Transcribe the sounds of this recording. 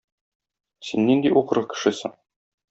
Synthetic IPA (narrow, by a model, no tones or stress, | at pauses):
sinːind̪iʔuqɤ̆ɾʁɤkɘ̥̆ʃɘsɤ̰ɴ